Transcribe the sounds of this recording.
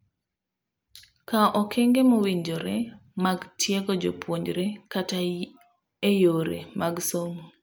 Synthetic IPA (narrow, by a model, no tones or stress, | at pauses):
kaʔɔkʰeŋɡemowiɲd͡ʒoɾɛmaɡtʰjeɡɔd͡ʒo̰pwoɲd͡ʒɾekata | ejoɾḛmaɡsomu